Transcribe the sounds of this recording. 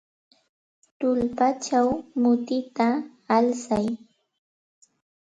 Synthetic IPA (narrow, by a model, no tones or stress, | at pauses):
t̪ʊlpat͡ʃawmʊt̪ɪt̪aː | lsaj